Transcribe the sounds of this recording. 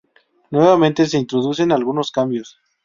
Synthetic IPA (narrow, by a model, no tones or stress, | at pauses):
nwe̞βamẽ̞nt̪e̞s̬e̞int̪ɾo̞ðus̬enalɣuno̞skambjo̞s